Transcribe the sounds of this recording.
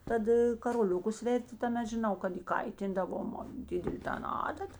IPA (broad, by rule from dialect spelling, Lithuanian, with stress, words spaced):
ˈtɐt kɐroːˈlʲʊkʊs ˈʋʲɛrʲtʲɪ tɐˈmʲɛt ʒʲɪˈnɐʊ kɐt iːˈkɐɪtʲɪndɐʋoːm ˈdʲɪdʲɛlʲeː ˈtɐn ˈɑːdɐt